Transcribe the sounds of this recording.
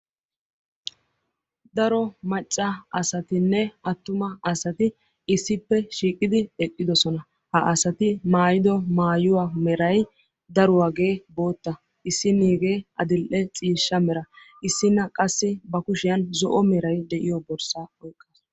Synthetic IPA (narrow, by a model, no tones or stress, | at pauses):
d̪ɐɾɔmɐt͡ʃʼːɐɐsɐt̪ɪnːɛɐt̪ːʊmɐɐsɐt̪ɪ | ɪsːɪpːɛʃiːkʼːɪd̪ɪɛkʼːɪd̪ɔsɔnɐ | hɐʔɐsɐt̪ɪmaːjɪd̪ɔmaːjʊwamɛɾɐj | d̪ɐɾʊwaːɡe̞ːbo̞ːt̪ːɐ | ʔɪsːɪniːɡe̞ːʔɐd̪ɪlʔɛt͡sʼiːʃːɐmɛɾɐ | ʔɪsːɪnɐkʼɐsːɪbɐkʊʃɪjɐnzɔ̰ʔɔmɛɾɐjd̪ɛʔɪjɔbɔɾsaɔjkʼːaːs